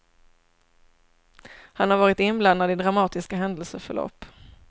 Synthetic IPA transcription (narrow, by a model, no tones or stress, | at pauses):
hanhaɾvɑːɾɪt̪ɪnbland̪ad̪ɪd̪ɾamɑːt̪ɪskaɦɛnd̪əlsəfœ̰ɭɔ̰pː